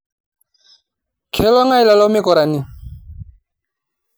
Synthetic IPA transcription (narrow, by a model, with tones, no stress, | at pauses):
kʰɛ˦lɔ˦ŋa˦i˦˨la˨lɔ˦me˦kɔ˨ɾa˨ni˨